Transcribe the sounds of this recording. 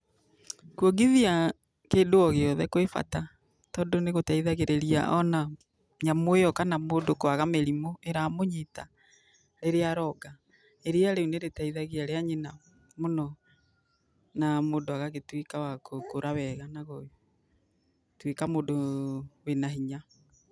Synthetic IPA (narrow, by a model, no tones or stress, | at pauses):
kwoɡiðia | keːndoɔɣeɔðɛkoefa̰ta | tɔːndoneɣotaiðaɣeɾeɾia̰ʔɔna | ɲamoeɔkanamoːdokoaɣameɾimoeɾamoɲita | ɾeɾeaɾɔɡa | eɾeaɾeuneɾetaiðaɣeaɾeaɲena | monɔ | namoːdoaɣaɣetwekawakokoɾawɛɣanaɣo | twekamoːdowenaɦiɲa